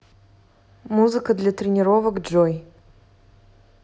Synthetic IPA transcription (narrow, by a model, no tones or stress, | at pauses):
muzɨkəd̪lʲat̪ɾʲɪnʲɪɾovəkd͡ʐoj